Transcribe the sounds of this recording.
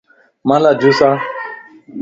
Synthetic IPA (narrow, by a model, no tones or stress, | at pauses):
mãlad͡ʒusa